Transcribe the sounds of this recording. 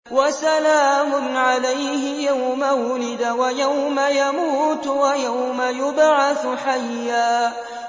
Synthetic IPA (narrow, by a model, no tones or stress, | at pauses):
wasalaːmʊnʕalajhɪjawmawʊlɪd̪awajawmajamuːt̪wajawmajʊbʕaθʊħajːaː